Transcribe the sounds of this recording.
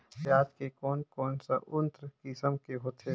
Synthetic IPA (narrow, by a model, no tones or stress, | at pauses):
jaːd̪kekɔːnkɔːnsaʔʊnt̪ɾkisəmkeɦoːt̪e